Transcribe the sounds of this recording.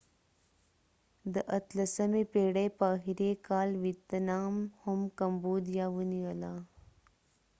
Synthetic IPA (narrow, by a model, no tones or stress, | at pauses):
d̪əʔɐt̪ləsɐmepeːɽejpaːɦiɾekaːlwit̪ɐnaːmhʊmkɐmboːd̪ijawuniwəla